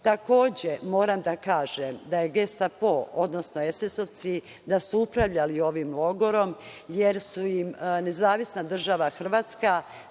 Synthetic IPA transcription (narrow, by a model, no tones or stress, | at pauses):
t̪ako̞ːd͡ʑe̞mo̞ːɾamd̪akaːʒemd̪ajeɡe̞st̪apoʔod̪nosnoesesoʋt̪si | d̪asuupɾaʋʎalio̞ʋimlˠo̞ɡo̞ɾo̞mje̞ɾsuimne̞zaːʋisnad̪r̩ʒaʋaxr̩ʋaːt̪ska